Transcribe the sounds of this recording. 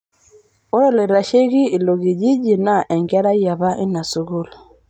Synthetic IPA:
o˦ɾɔ˦le˨ɾa˨ʃe˦ɡi˦i˨lo˨ɡi˨d͡ʒi˦d͡ʒi˨na˦˨ʔɛ˨ŋɡɛ˦ɾa˦ja˨βa˦ʔi˦na˨su˦ɡo˦l

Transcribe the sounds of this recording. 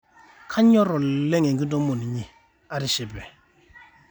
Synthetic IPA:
kʰa˦ɲɔ˦ɾɔ˨lɛ˦ŋe˨ŋɡi˦do˦mo˨ni˨ɲi˦˨ | a˦ɾi˦ʃi˨bɛ˨

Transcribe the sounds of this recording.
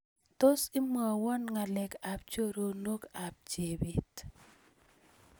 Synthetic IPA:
to˦si˦mɔ˨wɔ˦nŋa˨lɛ˨ka˨p̚t͡ʃo˦ɾo˨no˦ka˨p̚d͡ʒe˨bi˨t

